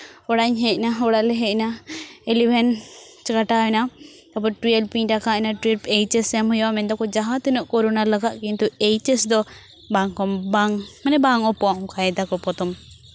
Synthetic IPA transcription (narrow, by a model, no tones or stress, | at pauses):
ɔɽaɲɦɛc̚ˀnaɔɽalɛɦɛc̚naɛlibʱɛn | t͡ʃkaʈaɛna | t̪apɔʈɾiɛlpiʈakaɛnaʈɾipɛjt͡ʃɛsɛmhujwamɛnd̪ɔkɔd͡ʒaɦat̪ɛnɔʔkɔɾɔnalaɡaʔkint̪uejt͡ʃɛsd̪ɔ | baŋkɔmbaŋmanɛbaŋɔpɔɔŋkajɛd̪akɔpɔt̪ɔm